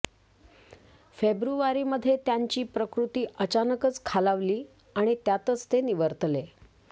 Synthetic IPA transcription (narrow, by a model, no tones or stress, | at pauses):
febɾuʋaɾiːməd̪ʱːjet̪jaɲt͡ɕiːpɾəkɾut̪iːət͡ɕanəkət͡skʰalaʋliː | aɽ̃it̪jat̪ət͡st̪eniʋəɾt̪le